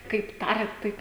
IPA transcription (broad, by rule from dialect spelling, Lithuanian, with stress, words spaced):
kɐɪp ˈtɑːrʲɛt ˈtɐɪp